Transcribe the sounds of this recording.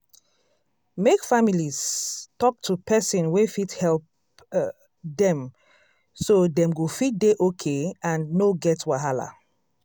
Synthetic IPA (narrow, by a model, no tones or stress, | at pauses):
mekfamiliz̥tɔk̚tʰupɛsɔ̃nwefithɛlp | dɛ̃m | sodɛ̃mɡofit̚deʔokʰeãnnoɡɛtwaɦala̰